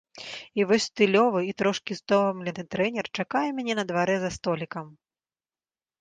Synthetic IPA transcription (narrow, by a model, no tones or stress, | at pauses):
ivɔsʲst̪ɨlʲɔvɨit̪ɾɔʂkʲist̪ɔvɐmlʲɛnɨt̪ɾɛnʲɛrt͡ʂakajɛmʲɛnʲɛnɐd̪vaɾɛzɐst̪ɔlʲikɐm